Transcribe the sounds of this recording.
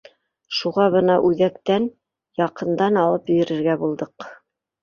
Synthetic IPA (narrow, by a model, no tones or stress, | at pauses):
ʃuʁɑβɤnɑʔʉðækt̪æn | jɑqɤ̆nd̪ɑnɑlˠɤpjɵ̆jɘ̆ɾɘ̆ɾɡæbulˠd̪ɤq